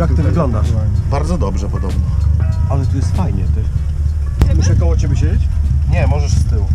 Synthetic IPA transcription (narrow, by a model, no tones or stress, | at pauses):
jak̚t̪ɘvɘɡlɔnd̪aʂbaɾd̪zɔd̪ɔbʐɛpɔd̪ɔbnɔalɛt̪ɔjɛst̪fajɲɛt̪ɪ | muʂɛkɔwɔt͡ɕebʲɛɕed͡ʑet͡ɕɲɛmɔʐɛʂst̪ɘw